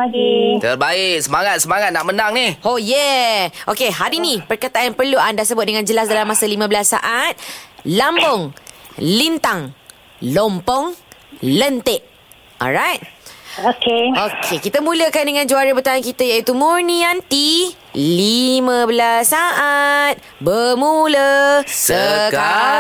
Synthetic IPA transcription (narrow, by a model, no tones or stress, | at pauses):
aɡit̪ərbaɪk̚səmaŋat̪̚səmaŋat̪̚nak̚mənaŋnihhojɛʔokeɦaɾinĩpərkat̪aanpərluʔandasəbʊt̪̚dəŋãnd͡ʒəlas̬dalamːasalimãbəlasːa̰ʔat̪̚lambɔŋlint̪aŋ | lɔmpɔŋlənt̪eʔ | ɔ̰lɹajt̪̚okeokʰekit̪əmũləkandəŋãnd͡ʒuaɾəbət̪aankit̪əjait̪umuɹniant̪i | limə̃bəlasːaʔat̪̚ | bəmuləsəkka